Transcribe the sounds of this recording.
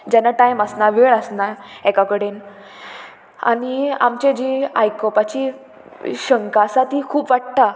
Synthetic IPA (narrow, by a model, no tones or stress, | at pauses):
d͡ʑanaʈajməsnaʋeɭəsnaɛkakəɽen | a̰nia̰mt͡ɕẽd͡ʑiajkɔpat͡ɕi | ɕəŋkasat̪ɦiːkʰuːpʋaʈ̚t̪a